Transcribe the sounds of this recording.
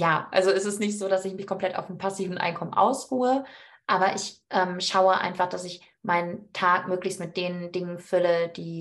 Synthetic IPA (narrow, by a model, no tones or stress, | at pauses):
jaːʔa̰lzoɛsɪstnɪçtz̥oːɾasɪçmɪçkʰɔmpl̥ɛta̰ʊfnnpʰasiːvn̩ʔa̰ɪnkʰɔmənʔa̰ʊsʁuːəʔaːbɐʔɪçʔɛːmʃaʊəʔa̰ɪnfaχd̥asɪç | maɪnəntʰaːk̚møːklɪçstmɪt̚d̥eːnəndɪŋənfʏləd̥iː